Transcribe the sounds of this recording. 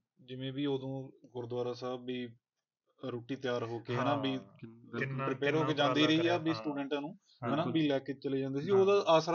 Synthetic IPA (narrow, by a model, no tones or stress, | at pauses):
d͡ʒɪʋẽːbiːoːd̪õːɡʊɾd̪waːɾaːsaːbbiː | ɾoːʈiːt̪ɪjaːɾɦoːkeːɦɛːnãːbiː | pɾɪpɛːɾɦoːkeːd͡ʒãːnd̪iːɾəiːaːbiːsʈuːɖɛ̃ɳʈãːnũː | ɦɛnaːbiːlɛːkeːt͡ʃəleːd͡ʒãːnd̪eːs̬iːoːd̪aːʔaːsɾ